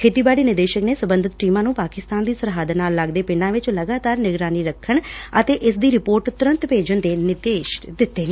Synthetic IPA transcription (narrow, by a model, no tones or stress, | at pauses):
kʰeːt̪iːbaːɽiːnɪɾd̪eːʃəkneːsəmbənd̪ʱɪt̪ʈiːmãːnũːpaːkɪst̪aːnd̪iːsəɾɦaːd̪naːlːaɡd̪eːpɪnãːʋɪt͡ʃləɡaːt̪aːɾnɪɡɾaːniːɾəkʰːəɳət̪eːʔɪsd̪iːɾɪpoːɾʈt̪ʊɾə̃nt̪peːd͡ʒənd̪eːnɪd̪eːʃd̪ɪt̪ːeːneː